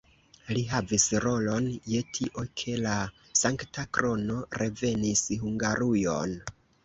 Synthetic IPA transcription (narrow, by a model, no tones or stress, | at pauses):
liɦavisɾo̞lo̞nje̞tʰiʔo̞kʰe̞la | saŋktʰakɾo̞no̞ɾe̞ve̞nishuŋɡaɾujo̞̰n